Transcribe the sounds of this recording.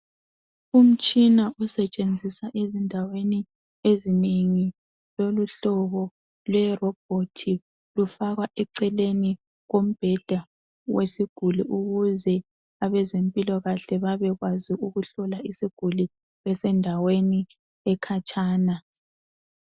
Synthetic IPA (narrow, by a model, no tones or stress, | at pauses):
um̩t͡ʃʼinaʔusɛt͡ʃʼend͡zʱisaʔezindʱaweni | ezineŋi | loluɬɔβɔ | lwɛrɔb̥̚ʱotʰi | lufaɣwaʔɛǀɛleni | ɣom̩b̥ʱɛd̥ʱa | wesiɡ̥ʱuliʔuɣuzɛ | aβɛzempʼilɔɣaɬɛβaβɛɣwaziʔuɣuɬɔlaʔisiɡ̥ʱuli | βɛsɛndʱaweni | ɛkʰat͡ʃʼaːna